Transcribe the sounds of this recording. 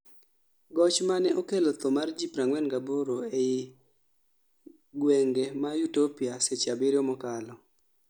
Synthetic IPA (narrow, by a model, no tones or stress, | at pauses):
ɡɔt͡ʃmanɛʔokelɔt̪ɔmard͡ʒipɾaŋwɛnɡaboɾoeɪ | ɡweŋɡemajutopiaset͡ʃabɪɾjɔmɔkalɔ